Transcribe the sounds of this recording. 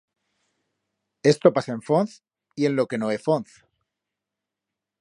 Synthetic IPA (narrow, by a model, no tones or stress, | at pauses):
e̞st̪o̞pasaeɱfonθ | ie̞nlo̞ke̞noefonθ